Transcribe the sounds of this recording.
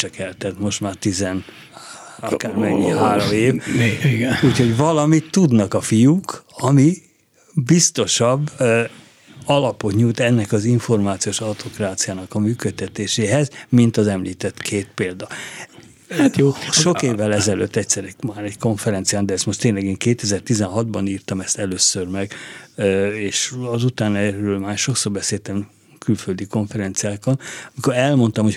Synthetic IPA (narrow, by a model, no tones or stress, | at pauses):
t͡ʃɛkɛlt̪ɛt̪mo̞ʃt̪maːrt̪izɛn | ɒ̰kaːrmɛɲːiɦaːɾomeːvɡuːcho̞ɟvɒlɒmit̪ːud̪nɒkɒfijukɒmi | bist̪o̞ʃɒbː | ɒlɒpo̞t̪ɲujt̪ɛnːɛkɒziɱfo̞rmaːt̪sioːʃɒwt̪ʰo̞kraːt̪sijaːnɒkɒmyːkøt̪ːɛt̪eːʃeːɦɛzmint̪ɒzɛmliːt̪ɛt̪kʰeːt̪peːld̪ɒ | ajoːʃo̞keːvːɛlɛzɛlø̰ːt̪ːɛctsɛɾɛkmaːɾɛcko̞ɱfɛɾɛnt̪sijaːnd̪ɛɛst̪mo̞ʃt̪eːnlɛɡeːŋkeːt̪ɛzɛrt̪izɛnɦɒd̪bɒniːrt̪ɒmɛst̪ɛløːsørmɛɡ | eːʃɒzut̪aːnɛrøːlmaːrʃo̞ksoːrbɛseːlt̪ɛm | kylføld̪ikoɱfɛɾɛnt̪sijaːkonɒmiko̞ɾɛlmo̞nt̪ɒmho